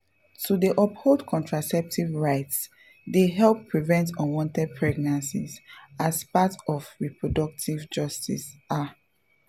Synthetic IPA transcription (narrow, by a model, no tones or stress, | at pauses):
tudiʔɔpholˠdkʰɔ̃ntʰɹasɛp̚tʰivɹaɪts | deɦɛlpːɹivɛ̃ntɔ̃nwɔ̃ntɛd̚pʰɹɛɡ̚nãnsḭzaspatɔvɹipɹɔdɔk̚tʰivd͡ʒʌstḭsa